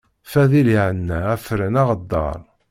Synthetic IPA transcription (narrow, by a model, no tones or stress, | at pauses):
fæðiliʕənːææfəɾənɑʁəd̪ːɑ̰ɾˤ